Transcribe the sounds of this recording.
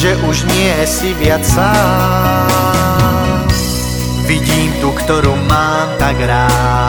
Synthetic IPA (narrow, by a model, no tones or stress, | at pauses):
ʒɛʔuʒɲɪɛsiʋɪat͡ssa | ʋiɟiːmt̪ukt̪ɔɾuːmaːmt̪aɡɾaː